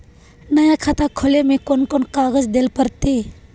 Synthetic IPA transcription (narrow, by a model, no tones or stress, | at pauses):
nəjakʰat̪akʰolemikonkonkaɡəd͡zd̪elpəɾt̪e